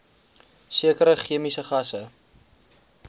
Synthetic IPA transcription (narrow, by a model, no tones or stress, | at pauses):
siəkəɾəχiəmisəχɐsə